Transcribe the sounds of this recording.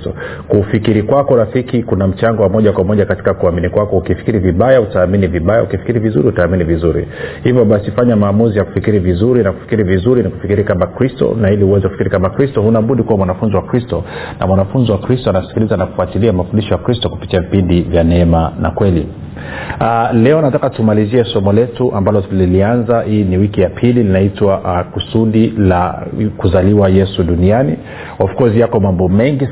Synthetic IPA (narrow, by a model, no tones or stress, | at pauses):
tɔ | kufikiɾikwakɔɾafikikunam̩t͡ʃaŋɡɔwamɔʄakwamɔʄakati̥kakuaminikwakɔukifi̥kiɾiviɓajautaːminiviɓajaukifi̥kiɾivizṵɾihutaːminivizuɾḭhivjɔɓasifaɲamaːmuzijaku̥fikiɾivizuɾinaku̥fi̥kiɾivizuɾiniku̥fikiɾiikamakɾistɔ̰nahiliuwɛzɛkufikiɾikamakɾistɔhunaɓuɗikuwamwanafunziwakɾistɔna̰mwanafunziwakɾistɔanasi̥kilizanaku̥fuatiliamafundiʃɔjakɾistɔku̥pi̥tiavipindivjanɛɛmana̰kwɛlḭ | lɛɔnatakatumaliziɛsɔmɔlɛtuʔambalɔlilianzahiːniwikijapʰilininaitwaʔkusuɗilakuzaliwajɛsuɗuniani | ɔfu̥kɔzijakɔmambɔmɛŋɡi